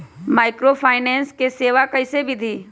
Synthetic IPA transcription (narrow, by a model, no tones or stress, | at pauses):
maːɪkɾopʰaːɪnɛ̃ːnskeseːʋakɐɪsebʱid̪ʱiː